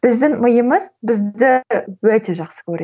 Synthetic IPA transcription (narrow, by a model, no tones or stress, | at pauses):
b̥ɪzd̪ɪŋməjəməzbɪzd̪ɪwɵt̪e̞ʒɑqsə̥kʲʰɵɾe